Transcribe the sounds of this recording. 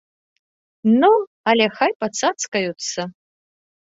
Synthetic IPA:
nu | ɐlʲɛxajpɐt̪sat̪skɐjut̪sːɐ

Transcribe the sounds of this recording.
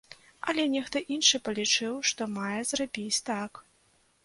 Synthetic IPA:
ɐ̰lʲɛnʲɛxt̪ɔʔinʂɨpɐlʲit͡ʂɨwʂt̪ɔmajɛzrabʲit͡sʲt̪ak

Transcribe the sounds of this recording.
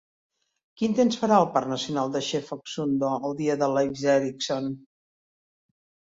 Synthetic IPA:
kint̪ensfəɾaəlˠparnəsiunalˠd̪əʃefɔksund̪oəlˠd̪iəðəlejzɛɾikson

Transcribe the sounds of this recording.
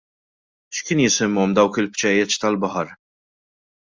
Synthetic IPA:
ʃkɪːnjɪsɪmːɔmd̪ɐwkɪlpt͡ʃɛjːɛt͡ʃt̪ɐlbɐħɐɾ

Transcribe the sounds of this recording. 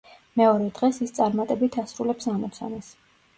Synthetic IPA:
mɛɔɾɛd̪ʁɛsist̪sʼaɾmat̪ʼɛbit̪ʰasɾulɛpsamɔt̪sʰa̰nas

